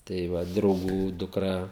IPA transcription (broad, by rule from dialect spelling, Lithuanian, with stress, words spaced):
tɐɪ ˈʋɐ drɐʊˈɡuː dʊkˈrɐ